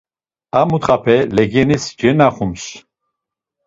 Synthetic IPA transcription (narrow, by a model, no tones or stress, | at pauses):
amut̪χapʰɛlɛɡɛnisd͡ʒɛnaχums